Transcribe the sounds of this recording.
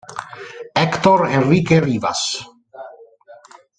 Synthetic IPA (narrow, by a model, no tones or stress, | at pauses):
ɛkt̪oɾenrikeriːva̰s